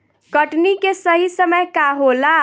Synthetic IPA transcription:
kəʈnikesəɦisəməjkaɦola

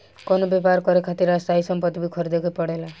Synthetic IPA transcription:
kɔnobepaɾkɔɾekʰat̪iɾast̪aisɔmpɔt̪ːibikʰɔɾid̪ekʰopɔɽela

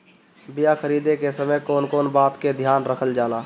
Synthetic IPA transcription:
bɪjakʰəɾiːd̪ekesəməjkoːnkoːnbaːt̪ked̪ʱjaːnɾəkʰəld͡ʒaːlaː

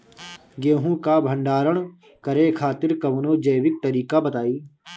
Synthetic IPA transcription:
ɡeːɦũkabʱə̃ɳɖaːɾəɽ̃ | kɐɾekʰaːt̪ɪɾkɐʋnod͡ʒɐjwɪk̚t̪əɾiːkabət̪aːiː

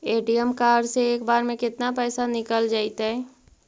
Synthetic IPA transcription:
eːʈijəmkaːɾseeːkbaːɾmẽkɪt̪napɛːsanɪkəld͡ʒaːɪt̪aɦɛ

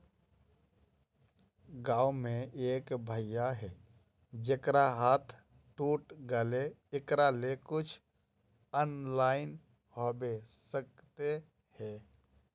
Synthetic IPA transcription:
ɡaːwmẽeːkbʱəjjaɦɛː | d͡ʒekɾaɦaːt̪ʰ | ʈuːʈɡəleɪkɾalekʊt͡ʃʰ | əːnlaːɪn | hobesək̚t̪e | hɛː

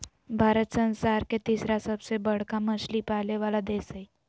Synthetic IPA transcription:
bʱaɾət̪sə̃nsaɾket̪isɾasəbsebəɽkaməslipaleʋalad̪esəj

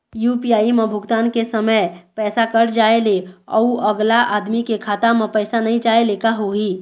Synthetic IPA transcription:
juːpijaːimẽbʱʊɡt̪aːnkesɐməjpɛːsakɐɾd͡ʒaːeleɔ̰uəɡlaʔaːd̪mikekʰaːt̪amə̃pɛːsanɐɦĩt͡ʃaːelekaɦoːɦiː

